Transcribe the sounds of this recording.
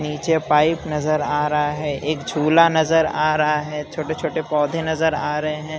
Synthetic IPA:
niːt͡ʃepaːɪpnɐzəɾaːɾɐɦaɦɛeːkd͡ʒʱuːlanɐzəɾaːɾɐɦaɦɛːt͡ʃʰoːʈet͡ʃʰoːʈepɔːd̪ʱenɐzəɾaːɾɐɦeɦɛ̃ː

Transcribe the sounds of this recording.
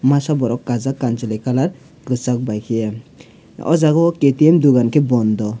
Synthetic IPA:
masabɔɾɔkːazakːant͡ʃelɛkalaɾ | kɯsak̚bajkʰiɛ | ɔ̰zaɡɔket̪iɛmd̪uɡankʰebɔnd̪ɔ

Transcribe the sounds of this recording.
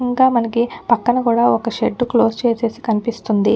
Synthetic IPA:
ŋɡaːmɐnɐkipɐkːɐnɐkuːɽaːɔkɐʃeɖːuklo̞ːst͡ʃe̞ːse̞ːsi̥kɐnipist̪und̪i

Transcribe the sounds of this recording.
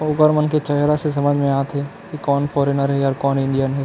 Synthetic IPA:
ʊɡəɾmənket͡ʃɐɦɾases̬ɐməd͡ʒʱmẽaːt̪ɦɛ | kikɔːnfʰɔːɾenəɾɦɛɔːɾkɔːnɪ̃ɳɖijənɦɛ

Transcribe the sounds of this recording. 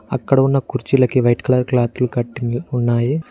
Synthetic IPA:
ɐ̰kːɐɽɐunːɐkuɾt͡ʃilɐkiʋɐjʈkɐɭɐɾklaːt̪ːulkɐʈːinunːaːji

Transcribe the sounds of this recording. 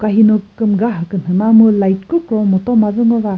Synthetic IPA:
kaɦinɯkɯmɡaɦɯkɯnhɯnamɯlajt̚kuk̚ɾɔmɔtɔmazɯŋɔva

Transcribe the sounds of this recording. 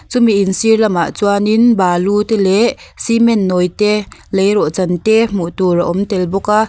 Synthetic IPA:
t͡sumiʔinsirlama̰ʔt͡suanɪnbaːlut̪ɛlɛʔsimɛnːɔjt̪ɛlejrɔʔt͡sɐnt̪ɛmuʔt̪uraʔɔmt̪ɛlbɔka

